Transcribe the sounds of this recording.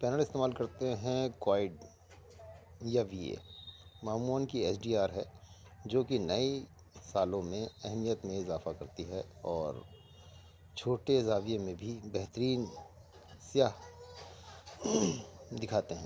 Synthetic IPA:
pɛːnəlɪst̪eːmaːlkɐɾt̪eɦɛ̃kwaːɪɖ | jaʋiḛːmaːmuːənkiɛːsɖiːaːɾɦɛ | d͡ʒoːkinɐi | saːlõmẽɛɦmijət̪mẽɪzaːfakɐɾt̪iɦɛɔːɾ | t͡ʃʰoːʈeɪzaːwiẽmẽbʱibɛɦt̪əɾiːn | sjaːɦ | d̪ɪkʰaːt̪eɦɛ̃ː

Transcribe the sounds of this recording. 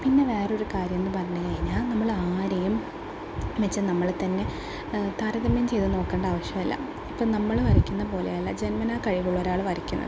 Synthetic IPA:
pinːe̞ʋe̞ːreo̞ɾukaːɾjɐmenːɨpɐrɐɲːukɐɻiɲːaːlnɐmːɐɭaːɾejum | ʋet͡ɕːɨnɐmːɐɭt̪ɐnːe̞ | t̪aːɾɐðɐmːɐjumt͡ɕe̞jt̪ɨno̞ːkːe̞ːɳɖɐaːʋɐɕjɐmilːɐ̰ | ipːoːɭnɐmːɐɭʋɐrikʲːunːɐp̬o̞ːlḛjɐlːɐd͡ʑe̞nmɐnaːkɐɻiʋuɭːo̞ɾaːɭʋɐrikʲːunːɐ̰ðɨ

